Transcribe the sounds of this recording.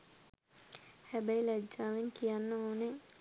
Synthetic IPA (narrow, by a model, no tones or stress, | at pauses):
hæbæilæd͡ʒːaːʋeŋkijanːəoːne